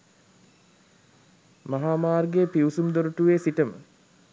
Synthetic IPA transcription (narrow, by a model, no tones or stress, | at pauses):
maɦaːmaːrɡeːpiwusumd̪oɾuʈuʋeːsiʈəmə̰